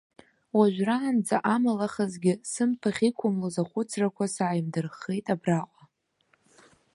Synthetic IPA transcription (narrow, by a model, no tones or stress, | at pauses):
waʒᶣʷraːnd͡zaʔamalaχazɡʲɪsɨmpʰaχʲikʷʰʊmlozaχʷʊt͡sʰrakʷʰasaːjmdɨrχejtʼabraqʷʼa